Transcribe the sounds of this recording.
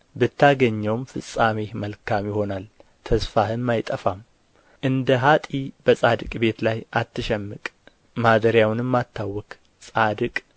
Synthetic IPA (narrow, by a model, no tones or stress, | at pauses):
bɨt̪ʰːaɡəɲːəwmfɨsʼamehməlkʰamjɪho̞nal | t̪ʰəsfahɨmːajt̪ʼəfam | ʔɨnd̪əɦat̪ʼibəsʼad̪ɨkʼbe̞t̪lajat̪ːɨʃɛmːɨkʼ | mad̪əɾjawnɨmːat̪ʰːawːɔkʼ | sʼad̪ɨkʼ